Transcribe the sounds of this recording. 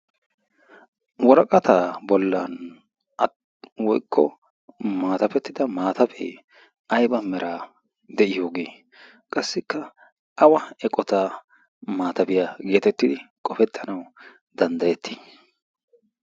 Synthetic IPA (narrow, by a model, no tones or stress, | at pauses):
wɔɾɐkʼɐt̪aːbɔlːɐn | ɐ | wɔjkʰːɔ̰ | maːt̪ɐfɛt̪ːɪd̪ɐmaːt̪ɐbḛː | ʔɐjbɐmɛɾʔaː | d̪ɛʔɪjo̞ːɡeː | kʼɐsːɪkʰːɐ | ʔɐwɐɛkʼɔt̪a | maːt̪ɐbɪjaɡe̞ːt̪ɛt̪ːɪd̪ɪkʼɔfɛt̪ʰːɐnɐw | d̪ɐnd̪ɐjɛt̪ʰːi̥ː